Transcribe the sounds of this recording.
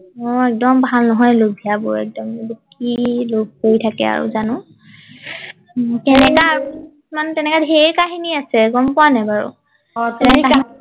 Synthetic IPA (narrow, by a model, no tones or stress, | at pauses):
ɔɛk̚dɔmbʱalnɔɦɔjloɡ̚ʱiabɔɛ̰k̚dɔmdukilob̚koɹitʰakɛa̰ɹṵzanʊ̃ | kɛnɛkaːɹu | mantɛnɛkadɦejkaɦiniasɛɡɔmpʊanɛbaɹṵ | ɛɛkaɦ